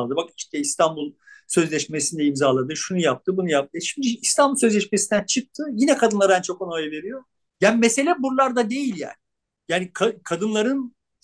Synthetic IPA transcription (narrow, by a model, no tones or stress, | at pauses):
lˠd̪ɯbaki̥ʃt̪ʰɛist̪ʰanbulˠsø̞zlʲɛʃmesind̪ɛimzaːlˠad̪ɯʃunujap̚t̪ʰɯbunujap̚t̪ɯʃimd̪yist̪ʰanbulˠsø̞zlʲɛʃmesind̪ænt͡ʃʰɯk̚t̪ʰɯjinɛkʰad̪ɯnlˠaɾænt͡ʃʰo̞konojave̞ɾijo̞ | jaːnimese̞lʲɛbuɾlˠaɾd̪ad̪e̞jilʲja̰ːnɪ | jaːnikʰakʰad̪ɯnlˠaɾɯn